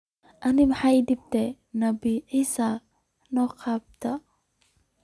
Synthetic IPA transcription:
ʔɐnimaħajdib̚tɛ | nɐbiʕisa | nɔqap̚t̪ɐ

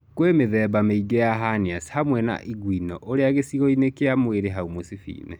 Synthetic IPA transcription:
kwemeðɛbameiɡɛjaɦaniashamwɛna̰ʔiɡwinɔʔoɾeaɣesiɣɔinekeamweɾeɦaumosifḭːnɛ

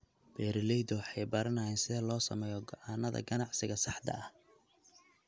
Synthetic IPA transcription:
bɛːɾɪlɛjd̪ɔwħɑjbɐɾɐnɐjɛnsɪðɐlɔːsɐ̰mɛːjɔɡɔʕɑːnɐðɐ̰ɡɐnɑʕsɪɣɐsɑħd̪ɐ̰ɐh

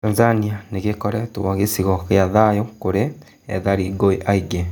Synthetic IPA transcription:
azanianeɣekɔɾɛtowaɣesiɣɔɣeaðajokoɾe | ɛ̰ðaɾiɡoiʔaiɡe

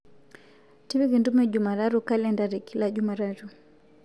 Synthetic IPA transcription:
tiβiɣindumɛʄumaɾaɾukalɛndaɾɛkilaʄumaɾaɾu

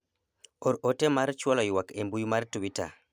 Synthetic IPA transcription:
oɾotemaɾt͡ʃwɔlɔjwakembujumaɾtuwita̰

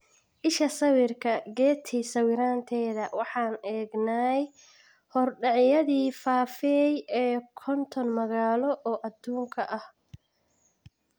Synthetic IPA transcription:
ʔɪʃɐsɐwɪrkʰɐɡɛːt̪ʰiːsɐwɪɾaːnt̪ʰɛːðɐwɑħɑːnɛːɡnaj | hɔrɖɑʕjɐðiːfaːfɛjɛːkʰɔnt̪ʰɔnmɐɣaːlɔʔɔːʔɐd̪uːŋkʰɐʔɐh

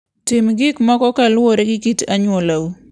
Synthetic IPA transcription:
tɪmɡɪkmɔkɔkalwoɾeɡɪkitaɲwɔlawu

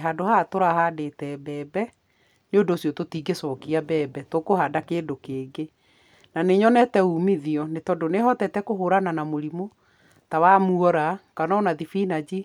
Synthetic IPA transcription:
ɦadohatoɾahadetɛbɛːbɛ | neondoːsjɔtotiːɡesɔkiabɛːbɛtokohadakeːdokeːɡe | naneɲɔnɛtɛuːmiðiɔnetɔdoneɦɔtɛtɛkoɦoɾananamoɾimo | tawamuɔɾakanɔnaðifinad͡ʑi

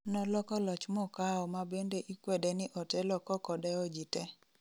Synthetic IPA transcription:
nɔlɔkɔlɔt͡ʃmɔkaɔmabendeʔikwɛdenɪʔɔtɛlɔkɔkɔdɛɔd͡ʒitɛ

